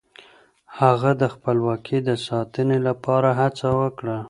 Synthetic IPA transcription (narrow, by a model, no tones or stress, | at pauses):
haɣad̪əxpəlwɑkʰid̪əsɑt̪ənelapʰɑɾaɦat͡sawəkɽa